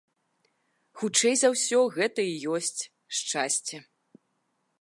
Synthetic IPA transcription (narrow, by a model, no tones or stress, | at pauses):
xut͡ʂɛjzawsʲɔɣɛt̪ɐijɔsʲt͡sʲ | ʂt͡ʂasʲt͡sʲɛ